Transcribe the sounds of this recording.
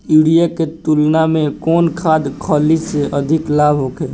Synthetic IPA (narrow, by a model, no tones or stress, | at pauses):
iɽijaket̪ulnamẽkɔːnkʰaːd̪kʰɔːliseʔəd̪ʱɪklaːbʱɦokeː